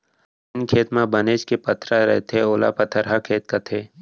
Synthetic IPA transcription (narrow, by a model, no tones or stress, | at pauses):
ɪnkʰeːt̪mãbɐneːt͡ʃkepɐt̪ʰɾaɾɛ̰ɦt̪ʰeoːla̰pɐt̪ʰəɾɦakʰeːt̪̚kat̪ʰeː